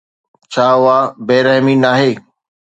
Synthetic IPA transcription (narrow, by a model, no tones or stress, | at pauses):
t͡ɕʰaːɦʊaːbeːɾɛɦminaːɦeː